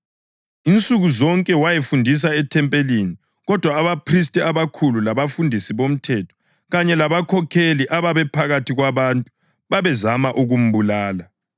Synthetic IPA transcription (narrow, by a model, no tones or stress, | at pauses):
int͡sʼuɣuzɔŋkʼɛwajefundʱis̬aɛtʰɛmpʼelini | ɣɔd̥ʱwaːβapʰris̬tʼiaβakʰululaβafundʱisiβom̩tʰɛtʰɔ̥ | ɣaɲɛlaβakʰɔkʰeliʔaβaβɛpʰaɣatʰiɣwaβantʼu | βaβɛzamaʔuɣum̩βulaːla